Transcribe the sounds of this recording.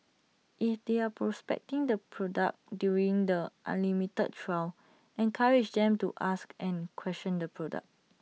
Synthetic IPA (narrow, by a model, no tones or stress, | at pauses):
ʔifdeapɹɔspɛ̰k̚tĩŋdəpʰɹɔda̰k̚djuɹĩŋdəʔã̰nlimitə̰d̚tɹaw | ɛ̃nkʰaɹid͡ʒdɛ̃mtṵʔaskɛ̃nkʰwɛstɔ̃ndəpʰɹɔda̰k̚